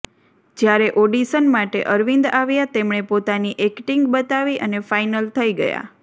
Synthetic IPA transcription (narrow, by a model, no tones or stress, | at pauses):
d͡ʒjaɾeʔoɖisənmaʈḛʔəɾʋind̪aʋjat̪emɳ̃epot̪aniʔekʈiŋɡbət̪aʋiʔənefajnəlt̪ʰəiɡə̰ja̰